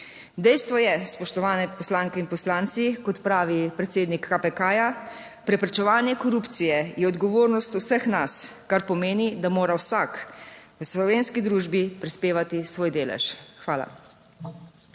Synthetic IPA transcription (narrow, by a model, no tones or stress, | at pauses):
d̪ɛjst̪ʋɔjɛspɔʃt̪ɔʋaːnɛpɔslaːŋkɛinpɔslaːnt̪sikɔt̪pɾaːʋipɾɛt̪seːd̪nikːapɛkaja | pɾɛpɾɛt͡ʃɛʋaːnjɛkɔɾuːpt̪sijɛjɛɔd̪ɡɔʋoːɾnɔst̪uwsəxnaskaɾpɔmeːnid̪amoːɾawsakwəslɔʋeːnskid̪ɾuːʒbipɾispeːʋat̪isʋoːjd̪eːlɛ̰ʃxʋaːla̰